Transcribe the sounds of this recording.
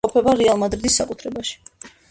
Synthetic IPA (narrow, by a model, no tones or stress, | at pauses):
ɔpʰɛbaɾɛalˠmad̪ɾid̪isːakʼut̪ʰɾɛbaʃi̥